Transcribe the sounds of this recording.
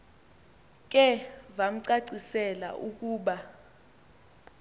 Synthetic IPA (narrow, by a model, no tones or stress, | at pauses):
k̬ʼɛvam̩ǀaǀisɛla̰ʔuk̬ʼuːɓa